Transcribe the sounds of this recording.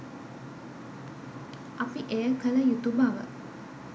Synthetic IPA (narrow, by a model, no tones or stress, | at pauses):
ʔapiʔejəkələjut̪ubaʋə̰